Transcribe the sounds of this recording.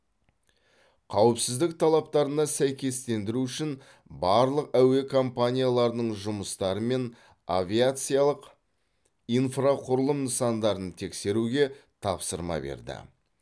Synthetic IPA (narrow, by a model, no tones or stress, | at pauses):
qʰɑwəpsɪzd̪ɪk̚t̪ʰɑlˠɑp̚t̪ɑɾənɑsæjkʲe̞st̪e̞nd̪ɪɾuʏʃɪn | bɑɾlˠəqæwe̞kʰo̞mpanʲijalˠɑɾənəɴʒʊməst̪ɑɾəme̞n | avʲijat̪sɨjalˠəq | ijnfraqʰʊɾəlˠəmnəsɑnd̪ɑɾənt̪ʰe̞kse̞ɾuɡʲe̞t̪ʰɑpsəɾmɑ̰be̞̰ɾd̪ɪ̰